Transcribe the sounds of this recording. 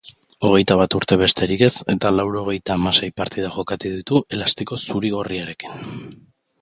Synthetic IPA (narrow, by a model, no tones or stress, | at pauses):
o̞ɣ̞e̞jt̪aβ̞at̪uɾt̪e̞βe̞st̪e̞ɾike̞se̞t̪alawɾo̞ɣ̞e̞jt̪aːmase̞jpaɾt̪iðaʝo̞kat̪uðit̪uʔe̞last̪iko̞suɾiɣ̞o̞riaɾe̞ki̥n